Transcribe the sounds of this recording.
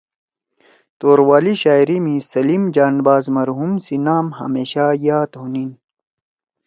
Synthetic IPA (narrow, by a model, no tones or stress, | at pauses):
t̪oːɾwaːliɕaːjɾimĩsɐliːmd͡ʑaːnbaːzmɐɾɦumsinaːmɦɐ̰meːɕajaːt̪ɦunin